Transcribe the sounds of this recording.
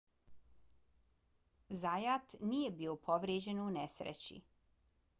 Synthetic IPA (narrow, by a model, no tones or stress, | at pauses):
zajat̪niːjebiopʰo̞ʋɾjed͡ʑe̞nunesɾḛt͡ɕḭ